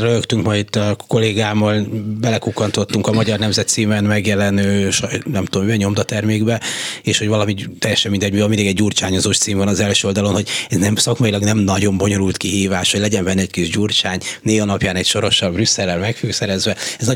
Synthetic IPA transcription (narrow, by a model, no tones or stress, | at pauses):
røjøkt̪yŋkmɒjit̪ːɒko̞lːeːɡaːmːɒlbɛlɛkukːɒnt̪o̞t̪ːuŋkɒmɒɟɒrnɛmzɛt̪siːmɛnmɛɡjɛlɛnøːʃɒjnɛmt̪omyɛɲo̞md̪ɒt̪ɛrmeːɡbɛeːʃho̞ɟvɒlɒmit̪ːɛjɛʃɛmːind̪ɛɟmiɒmid̪iːɡɛɟːuːrt͡ʃaːɲozoːʃt̪siːmvɒnɒzɛlʃøold̪ɒlo̞nho̞ɟɛznɛmsɒkmɒjilɒɡnɛmnɒɟo̞mbo̞ɲo̞ɾult̪kiɦiːvaːʃhoɟlɛɟɛɱbɛnːɛckiʒɟuːrt͡ʃaːɲneːɦɒnɒpjaːnɛcʃo̞ɾo̞ʃɒlbrysːɛlːɛlmɛkfyksɛɾɛzʋɛɛznɒ